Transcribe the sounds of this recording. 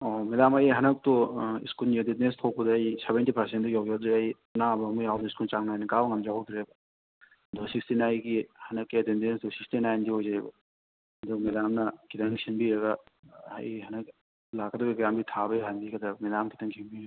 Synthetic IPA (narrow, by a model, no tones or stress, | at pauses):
omedamajɦɐnɐk̚toḭskulnieditnestʰɔwk̚pɐdɐːjsebentipʰɐɾsendɔjawɡjadoɐj | nabɐmujawdɐiskult͡ʃaŋnajnɐkabɐŋɐmzaɦowdʰiɾebɐ | dosikstinajɡihɐnɐkːetendensdusikstinajndiɦojzajbɐ̰ | domedamnɐkʰitɐŋkʰinbiɾɐɡɐa̰jhɐnɐk̚ | lakːɐduɡiɡɾambitʰabɐjɦanbikɐd̪ɐmidamkʰi̥tʰɐŋkʰimbi